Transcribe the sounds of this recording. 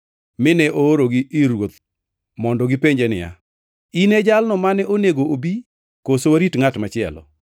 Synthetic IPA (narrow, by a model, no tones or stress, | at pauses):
mɪnɛʔooɾoɡiɪɾwot̪ | mɔndɔɡipeɲd͡ʒenɪ̰ja̰ | inɛd͡ʒalnɔmanɛʔoneɡoobi | kosowaɾitŋatmat͡ʃɪɛ̰lɔ̰